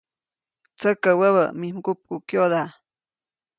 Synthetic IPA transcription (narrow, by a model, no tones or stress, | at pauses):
t͡səkəwəβəmimkup̚kukjod̪a